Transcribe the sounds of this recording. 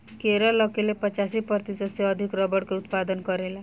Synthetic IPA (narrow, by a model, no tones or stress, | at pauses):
keɾɔlʌkilepət͡ʃasipʌɾt̪isʌd̪seʌd̪ʱikɾɔbəɽkeut̪pad̪ənkʌɾela